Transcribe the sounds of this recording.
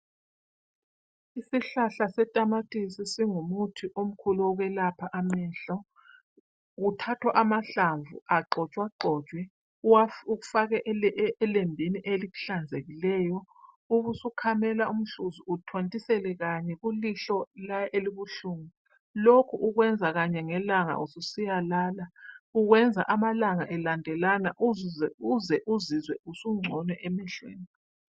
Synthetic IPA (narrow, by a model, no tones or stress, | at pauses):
isiɬaɬasɛtʼamatʼisisiŋumutʰiʔom̩kʰuluɔɣwɛlapʰaʔamɛɬɔ | ɣutʰatʰwaʔamaɬaɱvṵaǃʱɔt͡ʃʼwaǃʱɔːt͡ʃʼwɛ | auɣufaɣɛʔːlembʱiniʔeliɣu̥ɬand͡zʱeɣilɛːjɔ | uβusukʰamɛlaum̩ɬuzuutʰontʼisɛlɛɣaɲɛɣuliɬɔlaʔeliβuɬuːŋi | lokʰuʔuɣwɛnd͡zʱaɣaɲɛŋɛlaŋa̰ususijalaːlauɣwɛnd͡zʱa̰ʔamalaŋaʔɛlandʱɛlana̰ʔuɛuzɛʔuzizwɛusuŋ͡ǀʱɔnwɛʔemɛɬwḛːni